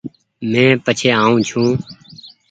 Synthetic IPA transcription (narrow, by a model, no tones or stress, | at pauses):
mɛ̃ːpət͡ʃʰeːaːũːt͡ʃʰũː